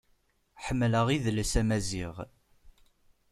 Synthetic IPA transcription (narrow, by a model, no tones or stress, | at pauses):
ħəmːləʁiðləsæmæziʁ